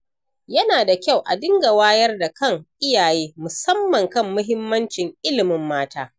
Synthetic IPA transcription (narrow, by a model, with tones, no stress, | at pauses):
jɐ˦naː˨da˨kʲa˦˨wʔa̰˨dɪ˦ŋɡa˨waː˦jɐ˦rda˨kɐ˦˨ŋʔɪ˦jaː˨jeː˦mʊ˨sɐ˦mːɐ˨ŋkɐ˦mːʊ˦ɦɪ˦mːɐ˦nt͡ʃɪ˨ŋʔɪ˦lɪ˨mɪ˨mːaː˦taː˦